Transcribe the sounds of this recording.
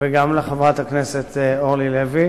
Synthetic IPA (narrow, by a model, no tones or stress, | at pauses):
veɡamleχavʁat̪hakneset̪eoʁlilevi